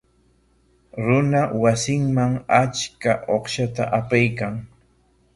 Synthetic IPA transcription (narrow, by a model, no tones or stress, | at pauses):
ɾʊnawasɪŋmaŋat͡ʃkaʔoχʃat̪a̰ʔapajkaŋ